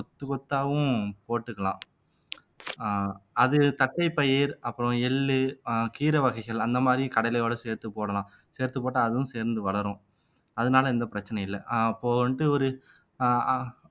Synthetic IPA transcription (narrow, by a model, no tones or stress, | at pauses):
ɔt̪ːɯkɔt̪ːaːʋɯ̃poːʈːɯkːɐlã̰ː | ɐðɯt̪ɐʈːɐɪpːɐjɪɾɐpːɯɾɔ̃ɛɭːɯkiːɾɐʋɐɣɐɪɣɐɭɐnd̪ɐmaːd̪ɾĩkɐɽɐɪlɛjoːɽɐseːɾt̪ɯpoːɽɐlãː | seːɾt̪ɯpoːʈːaːðɯʋʊ̃seːɾnd̪ɯʋɐɭɐɾʊ̃ | ɐðɐnaːlɐɪnd̪ɐpɪɾɐt͡ʃːɐnɐjɪlːɛpːoːɳʈɯɔɾɯ